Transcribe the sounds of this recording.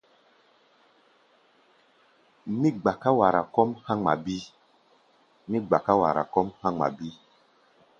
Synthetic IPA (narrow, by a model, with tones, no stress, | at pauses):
mi˦ɡ͡ba˨ka˦wa˨ɾa˨kɔ˦mhã˦ŋ͡ma˨bi˦ | mi˦ɡ͡ba˨ka˦wa̰˨ɾa̰˨kɔ˦mhã˦ŋ͡ma̰˨bi˦